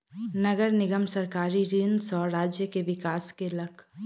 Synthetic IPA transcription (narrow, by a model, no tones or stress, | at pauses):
nɐɡəɾnɪɡəmsɐɾkaːɾiɾinsɔːɾaːd͡ʒjəkeʋɪkaːskelɐkʰ